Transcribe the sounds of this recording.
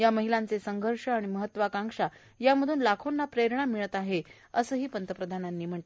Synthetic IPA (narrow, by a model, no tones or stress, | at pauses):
jaməɦilant͡sesəŋɡʱəɾʂəaɽ̃iməɦət̪ːʋakaŋkʂa | jaməd̪ʱuːnlakʰonːapɾeɾɳamiɭət̪aɦe | əsəːɦiːpənt̪əpɾəd̪ʱananːiːm̤əɳʈe